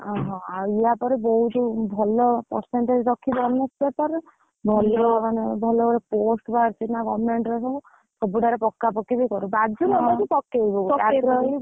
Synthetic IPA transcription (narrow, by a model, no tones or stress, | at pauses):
ɔ̃ɦɔ̃auijapɔɾebɔɦut̪ubʱɔlɔpɔ̰ɾseɳʈed͡ʒɾɔkʰːibɔɾnesbepɔɾ | bʱɔlɔmanebʱɔlɔbɔɾeposʈbaɾt͡ʃinakɔmeɳʈɾɔsɔbu | sɔbuɖaɾepɔkːapɔkibɔjkɔɾubad͡ʒʱumɔakupɔkːeibɔatɾɔli